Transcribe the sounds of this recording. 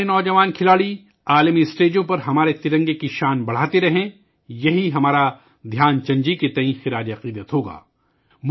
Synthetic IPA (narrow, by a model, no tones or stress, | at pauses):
enɔːd͡ʒɐʋaːnkʰɪlaːɽi | aːlmiɪsʈeːd͡ʒõpɐɾɦɐmaːɾet̪ɪɾɐ̃ŋɡekiʃaːnbɐɽ̤aːt̪eɾɐɦẽ | jɐɦiɦɐmaːɾa | d̪ʱjaːnt͡ʃɐ̃ɲd͡ʒiket̪ɐɦĩxɪɾaːd͡ʒiɐqiːd̪ət̪ɦoːɡa̰ː | m